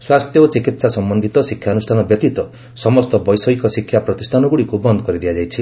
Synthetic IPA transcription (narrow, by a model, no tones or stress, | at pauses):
swast̪ʰjɔot͡ʃikit̪sasɔmbɔnd̪ʱit̪ɔsikʰːjaɔnusʈʰanɔbjɔt̪it̪ɔ | sɔmɔst̪ɔbɔjsɔikɔsikʰjapɾɔt̪isʈʰanɔɡuɽikubɔnd̪ɔkɔɾid̪ijad͡ʒajt͡ʃʰi